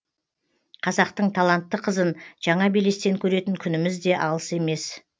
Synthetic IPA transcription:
qʰɑzɑq̚t̪əɴt̪ʰalˠɑnt̪ːəqʰəzənʒ̥ɑɴɑbele̞st̪e̞ŋkʲʰɵɾe̞t̪ɪŋkʲʰʏnɪmɪzd̪e̞ʔɑlˠəse̞me̞s

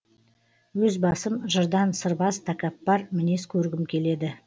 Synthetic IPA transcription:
wɵzbɑsəmʒəɾd̪ɑnsəɾbɑst̪ʰakɑpːɑɾmɪne̞skʲʰɵɾɡʲɪmkʲʰe̞le̞d̪ɪ

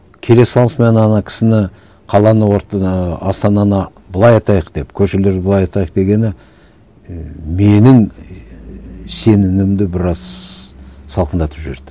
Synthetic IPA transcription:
kʲʰe̞le̞sːɑlˠəsmenɑnɑkʲʰɪ̥sɪnɪ | qʰɑlˠɑnəwoɾt̪ɑst̪ɑnɑnə | bəlˠɑjɑjt̪ɑjəqd̪̥e̞pkʲʰɵʃɪɾle̞ɾd̪ɪblˠɑjɑt̪ɑjəq̚d̪e̞ɡʲe̞nɪ | me̞nɪŋ | se̞nɪnɪmd̪ɪbɪɾɑz | sɑlˠqʰənd̪ɑt̪ə̥pʒɪɾd̪ɪ

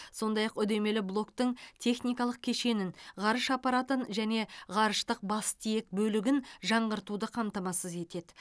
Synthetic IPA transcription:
so̞nd̪ɑjɑqʏd̪e̞me̞lɪblˠo̞kt̪əɴt̪ʰe̞χnijkɑlˠəq̚kʲʰe̞ʃe̞nɪnʁɑɾəʃɑpɑɾat̪ənʒæne̞ʁɑɾəʃt̪əq̚bɑst̪ijek̚bɵlɪɡʲɪnʒɑɴʁəɾt̪ud̪əqʰɑmt̪ɑmɑsəze̞t̪e̞d̪ɪ

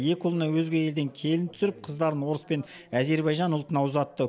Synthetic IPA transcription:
je̞kʲʊlˠənɑwɵzɡʲe̞je̞ld̪e̞ŋkʲʰe̞lɪnt̪ʰʏ̥sɪɾɪp̚qʰəzd̪ɑɾənwo̞ɾəspe̞n | æze̞ɾbɑjʒɑnʊlˠt̪ənɑwzɑt̪ːə

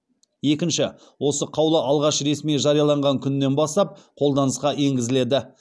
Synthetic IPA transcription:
je̞kʲɪnʃɪ | wo̞səqʰɑwlˠəʔɑlˠʁɑʃɾe̞smiʒɑɾijɑlˠɑɴʁɑŋkʲʰʏnːe̞nbɑst̪ɑp̚qʰo̞lˠd̪ɑnəsqɑe̞ŋɡʲɪzɪle̞d̪ɪ

